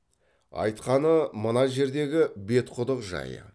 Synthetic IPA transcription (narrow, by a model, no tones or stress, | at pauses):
ɑ̰jt̪qɑnəmənɑʒe̞ɾd̪e̞ɡʲɪbe̞t̪qʰʊd̪əqʒɑ̰jə̰